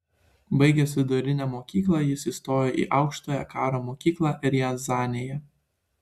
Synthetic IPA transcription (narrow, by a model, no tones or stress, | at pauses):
bɐɪɡʲɛsʲʋʲɪd̪ʊɾʲɪnʲɛmoːkʲiːklˠɑjɪsiːst̪oːjoʔḭːʔɑʊkʃt̪oːjɛ̰kɑːɾoːmoːkʲiːklˠɑːʔɪɾjɛnzɑːnʲejɛ